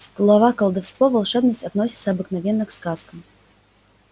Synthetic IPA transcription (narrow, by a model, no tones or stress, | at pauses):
ɡlˠavakɐlˠd̪awst̪vɔvalˠʂɛbnɐsʲtʲad̪nɔsʲit̪sɐːbɨknavʲɛnːɨkskaskɐm